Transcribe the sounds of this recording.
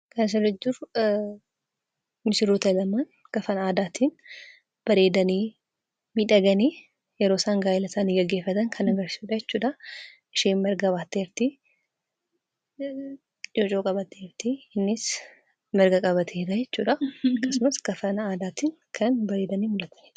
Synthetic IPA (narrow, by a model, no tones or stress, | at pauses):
kɐns̬ɐɾɐd͡ʒɪɾ | mɪsɪɾoːt̪ɐlɐmaːn | ɡ̥ɐfɐnaːd̪aːt̪ʰiːn | b̥ɐɾeːd̪ɐniː | miːᶑɐɡɐniː | jɛɾoːsaːŋɡaːɪlɐsaːniːɡɐɡːe̞ːfːɐt̪ɐŋkʰɐnɐɡɐɾsɪ̥suːᶑɐd͡ʒɛt͡ʃːuːᶑɐ | ʔɪʃiːnmɛɾɡɐbaːt̪ːeːɾt̪i | d͡ʒot͡ʃʼoːkʼɐbɐt̪eːɾt̪iɪnːɪs | mɛɾɡɐkʼɐβɐt̪ʰeːᶑɐd͡ʒɛt͡ʃːṵːᶑɐɐkːɐsʊmɐsɡɐfɐnaːd̪aːt̪iːn | kʰɐnbɐɾe̞ːd̪ɐniːmʊlɐt̪ɐ̥nː